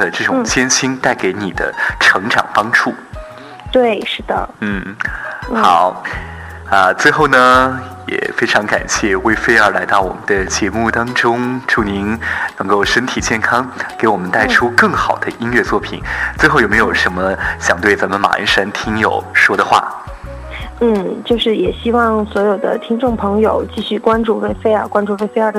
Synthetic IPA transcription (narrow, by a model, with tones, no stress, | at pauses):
ə˨ʈ͡ʂɤ˥˩ʈ͡ʂʊ˨˩ŋt͡ɕjɛ˥nɕi˥nt̪a˥˩ɪke˧˥ɪni˨˩d̪ə̰˦ʈ͡ʂʰɤ˧˥ŋʈ͡ʂɑ̰˨˩ŋpɑ˥ŋʈ͡ʂʰu˥˩ | t̪we˥˩ɪʂɻ̩˥˩d̪ə̰˩n̩˥˩ | xɑ˨˩˦ʊ | ə˧t͡swe˥˧ɪxo˥˩ʊnə˩jɛ̰˨˩fe˥ɪʈ͡ʂʰɑ˧˥ŋka̰˨˩nɕjɛ˥˩we˥ɪfe˥ɪə˞˧˥la˧˥ɪt̪ɑ˥˩ʊwɔ̰˨˩mə˦nd̪ə˦t͡ɕjɛ˧˥mu˥˩t̪ɑ˥ŋʈ͡ʂʊ˥ŋʈ͡ʂu˥˩ni˧˥nnɤ˧˥ŋko˥˧ʊʂə˥nt̪ʰi˨˩t͡ɕjɛ˥˩nkʰɑ˥ŋke˧˥ɪwɔ˨˩mə˦nt̪a˥˩ɪʈ͡ʂʰu˥kɤ˥˩ŋxɑ˨˩ʊd̪ə˦i˥nɥɛ˥˧t͡swɔ˥˩pʰḭ˨˩˦nt͡swe˥˧ɪxo˥˩jo˨˩me˧ɪjo˨˩ʂə˧˥nmə˧ɕjɑ̰˨˩ŋt̪we˥˩ɪt͡sa˧˥mə˧nma̰˨˩˧nʂə˥nt̪ʰi˥ŋjo˨˩ʊʂwɔ˥d̪ə˨xwa̰˥˩ | n̩˥˩t͡ɕjo˥˧ʊʂɻ̩˥˩jɛ˨˩ɕi˥wɑ˥˩ŋswɔ˧˥jo˨˩ʊd̪ə̰˦t̪ʰi˥ŋʈ͡ʂʊ˥˩ŋpʰɤ˧˥ŋjo˨˩ʊt͡ɕi˥˧ɕy˥˩kwa˥nʈ͡ʂu˥˧we˥ɪfe˥ɪəa˞˨˧kwa˥nʈ͡ʂu˥˧we˥˩ɪfe˥ə˞˥˧˩